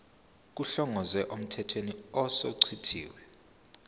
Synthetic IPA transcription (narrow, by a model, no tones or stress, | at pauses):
k̬uɬɔŋʱɔzɛʔom̩tʰɛtʰweniɔsɔǀʰitʰḭːwɛ